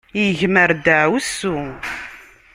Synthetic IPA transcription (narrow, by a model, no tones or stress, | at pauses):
jəʝməɾd̪əʕwsu